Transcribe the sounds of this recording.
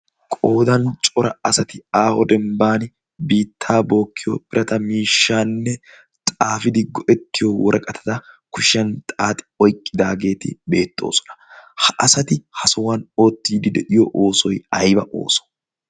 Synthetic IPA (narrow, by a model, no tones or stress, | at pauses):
kʼoːd̪ɐnt͡ʃʼɔɾɐɐsɐt̪ɪaːhɔd̪ɛmbaːn | biːt̪ʰːaːbo̞ːkːɪjɔbɪɾʔɐt̪ɐmiːʃːaːnːɛ | t̪ʼaːfɪd̪ɪɡɔʔɛt̪ːɪjɔwɔɾɐkʼɐt̪ʰɐ̥d̪ɐkʊʃɐnt̪ʼaːt̪ʼɪ̥ɔjkʼːɪd̪aːɡe̞ːt̪ɪ̰be̞ːt̪ːoːsɔ̥nɐ̥hɐʔɐsɐt̪ɪhɐsɔwɐno̞ːt̪ːiːd̪ɪd̪ɛᶑɪjɔʔoːsɔjɐjbɐʔo̞̰ːsɔ̥